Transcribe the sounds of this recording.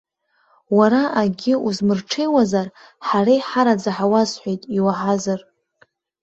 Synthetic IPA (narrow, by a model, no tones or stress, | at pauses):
waɾaʔaɡʲɪuzmɨrʈ͡ʂʰe̞jwazar | ħaɾajħaɾad͡zaħawazħʷejtʼiwaħazar